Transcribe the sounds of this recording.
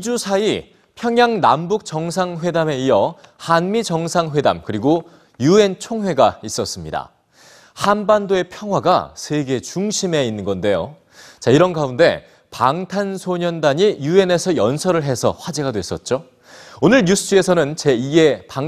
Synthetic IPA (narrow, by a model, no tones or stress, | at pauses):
id͡ʑusʰai | pʰjʌŋjaŋna̰mbuk̚t͡ɕʌŋs̬ʰaŋɸwe̞dame̞ijʌhanmid͡ʑʌŋsʰaŋɸwe̞da̰mkɯɾiɡo | jue̞nt͡ɕʰoŋɦwe̞ɡais͈ʌs͈ɯmɲida̰ | hanbandoe̞pʰjʌŋɦwaɡa̰sʰe̞ɡe̞t͡ɕuŋɕʰime̞inːɯnɡʌnde̞jo | t͡ɕaiɾʌnɡaunde̞̰ | paŋtʰansʰoɲʌndaɲijue̞ne̞sʰʌjʌnsʰʌɾɯɭɦe̞sʰʌ̰ɸwad͡ʑeɡadwe̞s͈ʌ̰t̚t͡ɕ͈o | onɯɭɲusʰɯd͡ʑɯe̞sʰʌnɯnt͡ɕe̞ie̞paŋ